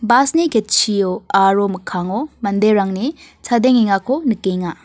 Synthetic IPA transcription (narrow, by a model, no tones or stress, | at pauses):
basnikʰet̚t͡ʃʰioaɾomɐkʰaŋomɐndeɾaŋni | t͡ʃʰadeŋiŋakʰonɯkeŋa